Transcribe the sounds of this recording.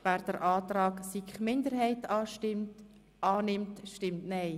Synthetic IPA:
væːɾd̥əɾʔɑːt̪rɑːksikχmɪndəɾhɛɪtɑːɪm | ɑːnɪmtʃtɪmtnɛɪ

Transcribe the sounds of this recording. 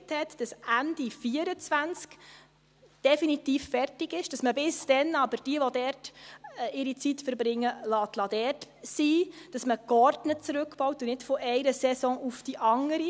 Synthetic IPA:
thɛtd̥ɑsænd̥ifiːəɾət͡sʋænt͡sk | d̥ɛfinitiːffɛrtɪɡɪʃd̥ɑsməbɪsd̥ɛnɑbəɾd̥iəʋɔdɛːɾt | ɪɾit͡sitfəɾbɾɪŋːəlɑːt̪lɑːdɛːrtsiːd̥ɑsməkɔɾdnət͡sɾʉkb̥ɔwtunɪtfɔʔɛɪɾəsɛsɔ̃ːʔufd̥iʔɑŋəɾi

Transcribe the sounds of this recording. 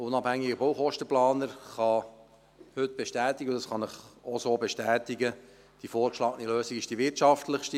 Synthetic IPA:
ʊnɑphæŋːɪɡəbowχɔʃtəplɑːnəɾχɑ | hʏt̪b̥eʃtæːt̪ɪɡəʊdɑsχɑnɪχosoːbeʃtæːt̪ɪɡə | d̥ifoːɾkʃlɑːɡəniløːsɪɡɪʃd̥iʋɪtʃɑftləχʃti

